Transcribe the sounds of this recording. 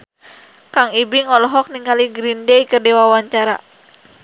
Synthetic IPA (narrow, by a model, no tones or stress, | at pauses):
kaŋibiŋɔlɔɦɔk̚niŋkaliɡɾindeijkɨrdiwawaɲt͡ʃaɾa̰